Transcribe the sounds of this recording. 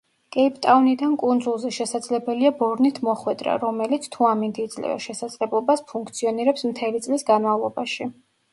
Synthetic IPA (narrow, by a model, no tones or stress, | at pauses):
kʼɛipʰt̪ʼaunid̪ankʼund̪zulˠzɛʃɛsad̪z̥lɛbɛliabɔɾnit̪ʰmɔχwɛd̪ɾa̰ɾɔmɛlit̪sʰt̪ʰuamind̪iːd̪zlɛ̰va̰ʃɛsad̪z̥lɛblˠɔbaspʰuŋkʰt̪sʰiɔniɾɛpsmt̪ʰɛlit̪sʼlisɡanmavlˠɔbaʃi